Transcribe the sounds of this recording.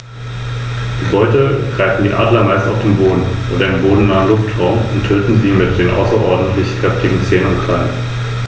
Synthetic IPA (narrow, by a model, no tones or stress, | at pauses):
ɡ̥əbɔʏtəɡ̥ʁaɪfn̩diːʔa̰ːɐdlɐmaɪstaʊfd̥eːmboːdn̩ʔo̰ːdɐdɪmboːdn̩naːənlʊftʁaʊmʊntʰːøːtn̩ziːmɪt̚d̥eːnʔa̰ʊsɐʔɔɐdn̩tʰlɪçkʁ̥ɛftɪɡŋ̩t͡seːnənʊnkʁ̥alən